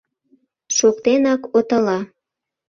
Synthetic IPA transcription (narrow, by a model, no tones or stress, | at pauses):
ʃokt̪enɑkot̪əlɑ